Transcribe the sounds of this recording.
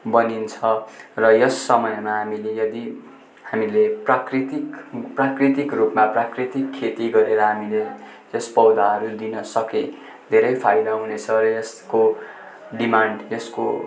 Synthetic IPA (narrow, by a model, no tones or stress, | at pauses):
bʌnint͡sʰʌrʌjʌsːʌmʌjmaɦamilejʌd̪i | hamileprakrit̪ikprakrit̪ikrupmaprakrit̪ikʰːet̪iɡʌɾeɾʌɦamile | jʌspʌwd̪aɦʌɾud̪inʌsʌkẽ | d̪ʱeɾʌjpʰajd̪aɦunet͡sʰʌrʌjʌsko | ɖimãɳɖjʌsko